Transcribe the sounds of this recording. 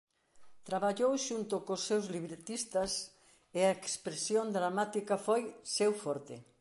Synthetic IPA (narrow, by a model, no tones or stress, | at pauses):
t̪ɾaβaʎowʃunt̪okosːewzliβɾet̪ist̪as | eɐekspɾesjond̪ɾamat̪ikafojsewfoɾt̪ḛ